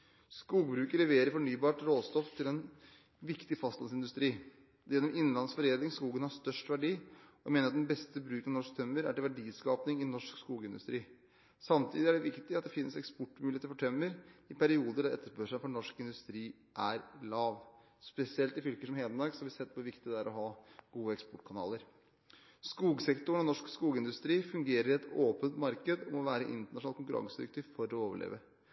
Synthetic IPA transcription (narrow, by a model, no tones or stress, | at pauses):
skuːɡbɾʉːkəlɛʋeːɾəɾfɔɳyːbɑːʈɾoːst̪ɔft̪ʰɪlɛn | ʋɪkt̪ɪfɑst̪ɑnsɪnd̪ʉst̪ɾiː | jɛnːɔmɪnːlɑnsfɔɾeːd̪ɪŋskuːɡənhɑʂt̪œʂʈʋæɖiːɔmeːnəɾɑt̪d̪ɛnbɛst̪əbɾʉːkɑʋnɔʂkt̪ʰœmːəɾæ̰ʈɪlʋæɖiːskɑːpnɪŋɪnɔʂkskuːɡəɪnd̪ʉst̪ɾiː | sɑmt̪ʰiːd̪ɪæɖɛʋɪkt̪ɪɑt̪̚d̪ɛfɪnːəsɛkspɔʈːmʉlɪet̪əfɔʈʰœmːəɾɪpæɾɪuːd̪əɖɑɛ̰t̪ːəʂpøːʂæɪfɔɳɔʂkɪnd̪ʉst̪ɾiː | ʔæɾlɑːʋ | spɛsɪɛlt̪ɪfʏlkəʂɔmheːd̪ənmɑɾksɔhɑʋɪsɛt̪̚ːpʰɔɛʋɪkt̪ɪd̪ɛæːɾɔɦɑːɡ̥uːəɛkspɔʈːkʰɑnɑ̰ːləɾ | skuːɡsɛkt̪ʊɳɔnɔʂkskuːɡəɪnd̪ʉst̪ɾiːfʉŋɡeːɾəɾɪɛt̪oːpənt̪mɑɾkəd̪ɔmɔʋæːɾəʔɪ̰nt̪əɳɑʂnɑːlkʊŋkʉɾɑ̰ŋsəd̪ɪɾɛkt̪ʰyːʋfɔɾɔoːʋəɭḛːʋə